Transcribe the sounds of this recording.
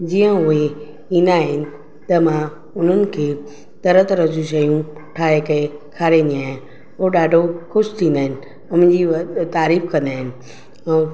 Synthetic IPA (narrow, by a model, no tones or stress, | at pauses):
d͡ʑiːə̃ʊɦe | ĩːnd̪aːɦɪnɪ̆ | t̪ɐmã | ʊn̤ənɪ̆kʰeː | t̪ɐɾət̪ɾɐd͡ʑuʃ̬ɐjũ | ʈʰaːɦekɐekʰaːɾeniaːɦɪ̃n | oɗaːɖʱoxʊʃt̪ʰĩːnd̪aːɦɪnɪ̆ | ʊmɪ̃ɲd͡ʑit̪aːɾiːfkɐ̃nd̪aːɦɪnɪ̆ | ɛ̃ː